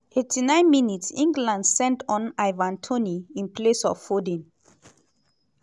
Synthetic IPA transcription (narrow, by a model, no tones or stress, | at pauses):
etʰinãɪ̃nminitsĩŋɡlãndsɛ̃ntɔ̃naɪvãntʰoniĩnplesɔ̰fːodĩn